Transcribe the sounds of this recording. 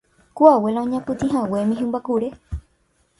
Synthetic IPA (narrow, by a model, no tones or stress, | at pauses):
kuawe̞laõɲãpɨt̪ĩɦãwe̞mĩɦɨ̃mbakuɾe